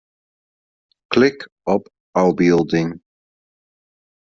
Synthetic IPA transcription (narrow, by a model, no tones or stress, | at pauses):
kʰlɪk | ʌp | aʊbɪlˠdɪ̃ŋ